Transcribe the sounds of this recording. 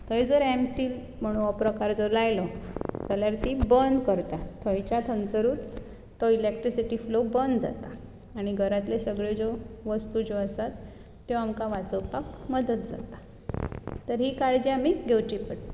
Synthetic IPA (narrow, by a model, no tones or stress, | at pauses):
t̪ʰəjd͡zəɾɛmsiːl | m̤əɽ̃ũnɔpɾəkaɾd͡zəɾlajlɔd͡zaljaɾt̪ibənd̪kəɾt̪at̪ʰə̃jt͡ɕat̪ʰənt͡səɾuːt̪ː | ɔilek̚ʈɾisiʈiːflobənd̪d͡za̰t̪aː | ɽ̃iɡʱəɾat̪lesəɡɭed͡zoʋəst̪ud͡zoəsat̪ː | joamkaʋat͡səwpakməd̪ət̪̚d͡za̰t̪a | t̪əɾɦikaɽd͡ʑeamiɡʱewt͡ɕipəɽ